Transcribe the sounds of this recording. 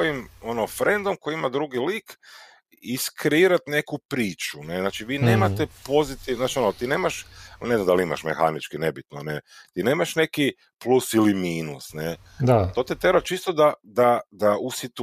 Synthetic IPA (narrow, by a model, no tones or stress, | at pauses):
oimo̞nofɾe̞nd̪omkoiimad̪ɾuɡiliːk | iskɾeiːɾat̪ne̞kupɾiːt͡ʃuneznaːt͡ʃiʋiːneːmat̪epo̞zit̪izat͡ʃio̞not̪iːne̞ːmaʃnezamd̪alima̰ʃmexa̰nit͡ʃkine̞bit̪no̰net̪iːne̞ːmaʃne̞ki | plˠusilimiːnusne | at̪o̞ːt̪it̪ebat͡ʃist̪od̪ad̪ad̪aʔusit̪